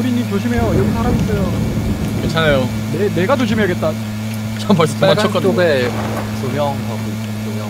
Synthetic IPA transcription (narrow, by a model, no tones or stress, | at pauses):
uɾiɲːimt͡ɕoɕʰime̞joiɾʌkʰisʰaɾamis͈ʌjo | ment͡ɕʰanajo | nene̞ɡat͡ɕoɕʰimeeɡe̞t̚t͈a | t͡ɕʌmːʌɭs͈aɡt͡ɕʌk͈ʌoɡe | sʰoɲjʌŋkaɡo | sojʌ